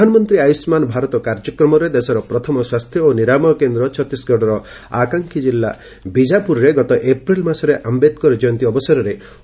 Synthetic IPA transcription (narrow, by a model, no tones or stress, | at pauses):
anɔmɔnt̪ɾiajusmanɔbʱaɾɔt̪ɔkaɾd͡ʒɔkɾɔmɔɾed̪esɔɾɔpɾɔt̪ʰɔmɔswast̪ʰjɔoniɾamɔkend̪ɾɔt͡ʃʰɔt̪ːisɡɔɽɔɾɔ | akaŋkʰid͡ʒilːa | bid͡ʒapuɾɔɾeɡɔt̪ɔʔepɾilmasɔɾeʔambed̪̚kɔɾɔd͡ʒɔjɔnt̪iɔbɔsɔɾɔɾe